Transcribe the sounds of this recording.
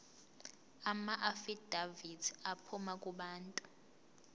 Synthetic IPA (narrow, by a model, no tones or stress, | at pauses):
amaʔafid̥ʱaviapʰumakʼuɓaːntʼu̥